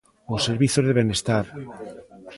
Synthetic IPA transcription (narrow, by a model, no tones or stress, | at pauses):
osːeɾβiθozðeβenest̪aɾ